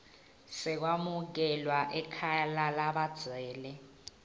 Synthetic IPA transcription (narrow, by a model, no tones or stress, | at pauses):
sɛk̬wamuk̬ɛlwaʔɛkʰalalaɓad̥z̥ʱwɛːlɛ